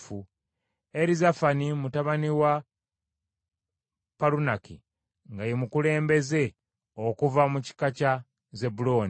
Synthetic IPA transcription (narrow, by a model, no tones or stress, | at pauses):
fu | e̞ɾizafanimutaβaniwa | palunaki | ŋɡajemukule̞ːmbe̞ze̞ | okuvamuci̥kaca | ze̞bulo̞ːn